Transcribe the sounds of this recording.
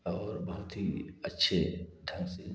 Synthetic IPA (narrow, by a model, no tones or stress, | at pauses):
ɔːɾbɐɦʊt̪ɦiɐtːʃʰeʈ̪ʰɐ̃ŋɡse